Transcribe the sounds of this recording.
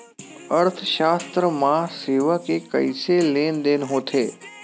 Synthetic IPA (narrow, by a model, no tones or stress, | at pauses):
əɾt̪ʰəʃaːst̪ɾəmãseːʋakekəɪseleːnd̪eːnɦoːt̪ʰeː